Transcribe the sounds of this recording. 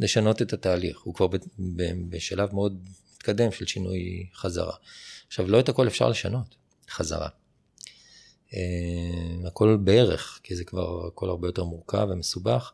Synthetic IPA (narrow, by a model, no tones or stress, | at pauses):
le̞ʃano̞tetataːliχhukvaʁbebebeʃalavmeo̞d̪̚mit̪kad̪e̞mʃelʃinujχaza̰ʁa̰aχʃavlo̞ethako̞le̞fʃa̰ʁle̞ʃa̰no̞t | χaza̰ʁa̰ | e | ako̞lbee̞ʁḛχkizekva̰ʁako̞laʁbejo̞te̞ʁmuʁka̰vemesubaχ